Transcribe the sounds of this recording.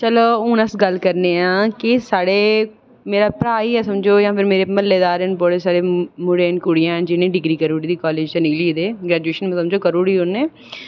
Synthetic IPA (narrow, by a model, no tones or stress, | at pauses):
t͡ʃəloːʊːnəsɡəlkəɾneːãːkɪsaːɽeː | meːɾaːpɾaːiːɛːsəmd͡ʒoːjãːpʰɪɾmeːɾeːməlːeːd̪aːɾənbɔːɽeːsaːɽeːmʊɽeːnkʊɽɪjãːd͡ʒɪnẽːɖɪɡɾiːkəɾuːɽiːd̪iːkɔːleːd͡ʒt̪enɪɡliːd̪eːɡɾɛːd͡ʒueːʃənm̃səmd͡ʒoːkəɾuːɽiːʊnːeː